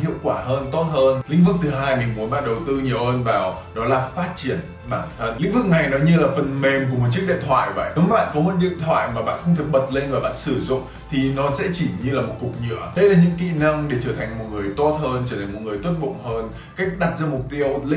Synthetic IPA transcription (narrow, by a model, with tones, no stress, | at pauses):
hḭ˧˨əwkwaː˧˩həː˧nt̪o˦˥t̚həː˧lḭ˧˥vɨ˨˩k̚t̪ʰɨ˨˩ɦaː˧jmï˨˩ŋ̟mu˨˦ənɓa̰ː˧˨nɗə˨˩wt̪ɨ˧ɲi˨˩əwhəː˧nvaː˨˩w | ɗɔ˨˦laː˨˩faː˦˥t̚t͡ɕi˧˩ən | ɓaː˧˩nt̪ʰə˧nlḭ˧˥ŋ̟vɨ˨˩k̚ŋa˨˩jnɔ˨˦jɲɨ˧laː˨˩fə˨˩nme˨˩mk̬əm˨˩t̚t͡ɕi˦˥k̚ɗḛ˧˨t̪ʰwa̰ː˧˨jvə̰˧˩jɨ˨˦ŋ͡mɓa̰ː˧˨nkɔ˨˦mə˨˧n̚ɗḭ˧˨ənt̪ʰwa̰ː˧˨jmaː˨˩ɓa̰ː˧˨nxə˧wŋ͡mt̪ʰək̚ɓə˨˩t̚le˧nvaː˨˩ɓa̰ː˧˨nsɨ˧˩zʊ̰˧˨ŋ͡m | t̪ʰi˨˩nɔ˨˦sɛ̰˧˥t͡ɕi˧˩ɲɨ˧laː˨˩mo˨˩t̚kʊ˨˩k͡p̚ɲɨ̰˧˨əɗə˧jlaː˨˩ɲɨ̰˧˥ŋkḭ˧˨na˧ŋɗe˧˩t͡ɕəː˧˩t̪ʰa˨˩ŋ̟mo˨˩t̚ŋɨ˨˩əjt̪o˦˥t̚həː˧nt͡ɕəː˧˩t̪ʰa˨˩ŋmo˨˩ŋɨ˨˩əjt̪wi˦˥t̚ɓʊ̰˧˨ŋ͡mhəː˧n | ka˦˥jk̟̚ɗa˨˩p̚zaː˧mʊ˨˩k͡p̚t̪i˧ə˧wlḭ˧˥